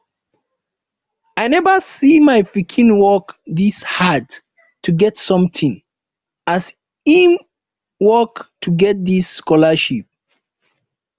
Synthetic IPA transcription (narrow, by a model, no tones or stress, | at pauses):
aɪnɛvəsimaɪfikʰĩnwɔkdishad | tʰuɡɛtsɔ̃mtĩŋ | as | im | wɔktʰuɡɛt̚d̪isːkɔləʃip̚